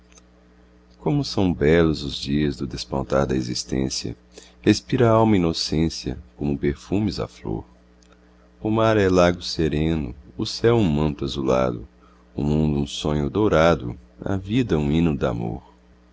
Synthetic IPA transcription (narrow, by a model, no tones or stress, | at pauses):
kõmʊsɐ̃w̃bɛlʊzʊzd͡ʒiɐzd̪ʊd̪espɐ̰̃nt̪a̰ɾd̪ɐezist̪ḛ̃sjɐ̰ | hespiɾɐaawmɐinosẽsiɐ̰kõmʊpeɾfũmɪzɐ̰flo̰ɾ | ʊmaɾɛlaɡʊseɾẽnʊ̰ʊsɛwũmɐ̃nt̪ʊɐzula̰d̪ʊ̰ | ʊmũnd̪ʊũsõɲʊd̪owɾad̪ʊ̰ɐ̰vid̪ɐũĩnũd̪a̰mo̰ɾ